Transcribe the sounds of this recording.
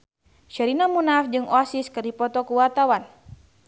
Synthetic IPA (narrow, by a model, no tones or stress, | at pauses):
ʃɛɾinamunafd͡ʒɨŋɔasiskərdipɔt̪ɔkuwat̪awan